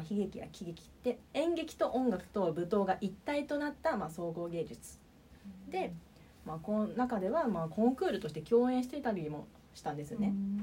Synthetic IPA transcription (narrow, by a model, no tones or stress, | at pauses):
çiɡe̞kʲija̰kʲiɡekʲi̥t̪ːe̞ẽ̞ŋɡe̞kʲi̥t̪o̞ʔõ̞ŋɡakɯ̟̥t̪o̞bɯ̟t̪o̞ːɡaʔit̪ːait̪o̞nat̪ːamaso̞ːɡo̞ːɡe̞ːd͡ʑɨt͡sɨ̥ | d̪e̞ | maːkõnakad̪e̞βamaːkõ̞ŋkɯ̟ːɾɯ̟t̪o̞ɕi̥t̪e̞kʲo̞ːẽ̞ɰ̃ɕ̬i̥t̪e̞t̪aɾʲiimo̞̰ | ɕi̥t̪ãnd̪e̞sɨjone̞